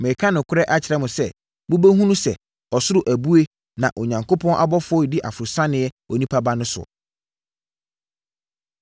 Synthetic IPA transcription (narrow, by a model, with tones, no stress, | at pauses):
mɛ˨kʰã˦nʊ̃˨kʰʊ˦ɾɛ˦ʔa˦t͡ɕʰɪ˨ɾɛ˦˨mʊ̃˨sɛ˦ | bʊ˦bæ˦ɦũ˦nũ˦sɛ̰˨ | ɔ˨sʊ˦ɾʊ˦˨ʔæ˨bu˦e˦ | nã˨ʔɔ˨ɲã˨ŋkʰo˦pʰɔ̃˦nʔa̰˨bɔ˦fʊ˦ɔ˦dɪ˦ʔa˨fʊ˨ɾʊ˨sã˦nɪ̃˨ɛ˦ | ɔ˨nĩ˦pʰa˦ba˦nʊ̃˦sʊ̰˨